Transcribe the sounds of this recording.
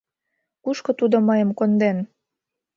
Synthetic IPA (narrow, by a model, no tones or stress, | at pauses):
kuʃkot̪ud̪omɑjəmkond̪en